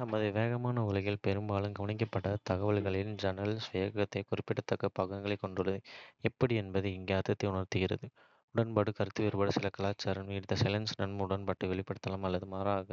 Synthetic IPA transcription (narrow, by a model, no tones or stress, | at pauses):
nɐmːɐðɯʋeːɣɐmaːnɐʊlɐɣɪlpɛɾɯmbaːlɯmɡɐʋɐɳɪk̬ːɐpːɐʈːɐt̪ɐɣɐʋɐɭɣɐɭɪld͡ʒɐnɐlsʋɐjɐkːɐt̪ːɐɪkʊrɪpːɪʈːɐt̪ːɐkːɐpɐɣɐŋɡɐɭɐɪkːɔɳɖɯɭːɐðɯɛpːɐɽɪɛnbɐðɯɪŋɡeːɐɾt̪ːɐt̪ːɐɪʊɳɐrt̪ɯɣɪrɐ̰ðɯ | ʊɽɐnpɐɽɯkɐɾɯt̪ːɯʋɛɾɯbɐɽɐsɪlɐkɐlaːt͡ʃːaːɾɐnmɪɽt̪ːɐsɛlɐnsnɐnmʊɽɐnpɐʈrɯʋɛɭɪpːɐɽɯt̪ːɐlɐmɐlːɐðɯmaːɾaːɣɐ